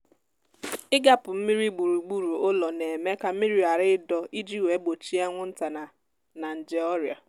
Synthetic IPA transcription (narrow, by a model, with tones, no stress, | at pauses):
ɪ˦ɡa˨pʊ˨m̩˦mi˦ɾi˦ɡ͡bu˨ɾu˨ɡ͡bu˦ɾu˨ʊ˦lɔ˨ne˨me˦ka˨m̩˦mi˦ɾi˦a˨ɾɪ˦dɔ˦i˦d͡ʒi˦˨we˨˦ɡ͡bo˨t͡ʃi˦a˦ŋʷʊ˦n̩˦ta˨na˨ | na˨n̩˨d͡ʒɪ˦ɔ˦ɾja̰˨